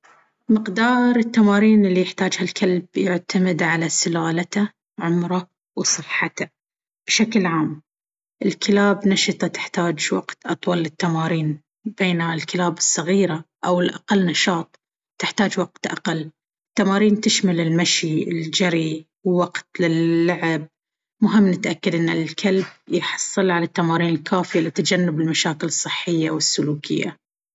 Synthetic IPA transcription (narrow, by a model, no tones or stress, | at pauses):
mɪqd̪ɑːɾˤɪt̪ːamɑːɾiːnɪlːijɪħt̪aːd͡ʒhalkʰalbjɪʕt̪amɪd̪ʕalasɪlaːlat̪a | ʕʊmɾˤɑ | wsˤɨħːat̪a | b̥ɪʃaklʕaːm | ʔɪlkɪlaːbnaʃɨt̪ˤɑt̪ɪ̥ħt̪aːd͡ʒwaqt̪ʔɑt̪ˤwɑlːɪt̪ːamɑːɾiːn | b̥eːnalkɪlaːbɨsˤːɑɣiːɾa | ʔawɪlʔa̰qalːnɑʃɑːt̪ˤ | t̪ɪħt̪aːd͡ʒwaq̚t̪ʔa̰qalː | ɪt̪ːamɑːɾiːnt̪ɪʃmalɪlmaʃiɪld͡ʒaɾi | wwaqt̪lɪlːaʕɪb̚ | mʊɦɪmːnɪt̪ʔakːad̪ʔɪnːalkʰalb̚jħɑ̥sˤːɨlʕalat̪ːamɑːɾiːnɪlkʰaːfɪjalɪt̪ːad͡ʒanːɪbɪlmaʃaːkɪlɨsˤːɨħːɪjːawɪsːʊluːkʰɪ̰jːa̰